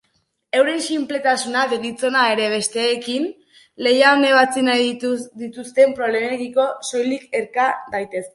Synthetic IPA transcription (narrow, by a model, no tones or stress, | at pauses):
e̞wɾe̞nsimple̞t̪asunaðeɣit͡so̞nae̞ɾe̞β̞e̞st̪e̞ːkin | le̞jaone̞βat͡sinajd̪it̪ust̪e̞mpɾole̞meɣiko̞so̞jlike̞ɾkadajt̪e̞se